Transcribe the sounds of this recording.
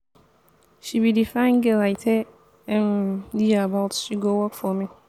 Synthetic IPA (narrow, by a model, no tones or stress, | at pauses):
ɕibidifãɪ̃nɡɛlaɪtʰɛ | ɛ̃mdiabatʃiɡowɔkfɔmɪ̃